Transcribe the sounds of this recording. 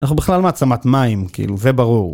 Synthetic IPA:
naχubiχlalmaːt͡samat̪maimkiḭluvebaʁuʁ

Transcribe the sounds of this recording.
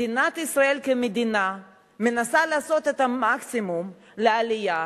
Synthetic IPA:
inat̪isʁae̞lkemed̪ina | menasalaːso̞t̪et̪amaksimum | lealija

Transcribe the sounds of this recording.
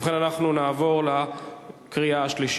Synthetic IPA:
χenanaχnunaːvo̞ʁla | kʁiaaʃliʃ

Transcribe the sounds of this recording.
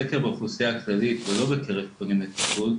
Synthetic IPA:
ekeʁbaχuseaklalit̪velo̞bekʰeʁefponimet̪i̥pul

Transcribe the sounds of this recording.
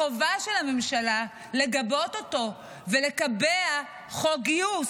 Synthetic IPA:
ovaʃelame̞mʃala | le̞ɡabo̞toto̞ | vele̞kabea | χoɡiu

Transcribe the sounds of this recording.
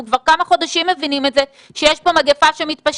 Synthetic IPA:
ukvaʁkamaχo̞d̪aʃimːe̞vinimetze | ʃejeʃpo̞maɡefaʃemit̪paʃ

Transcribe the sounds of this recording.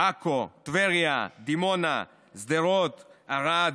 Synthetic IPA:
akot̪veʁjad̪imona̰ | zd̪eʁot̪aʁad̪

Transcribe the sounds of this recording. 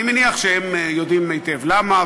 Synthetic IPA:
imeniaχʃehemjod̪imːejt̪evlama

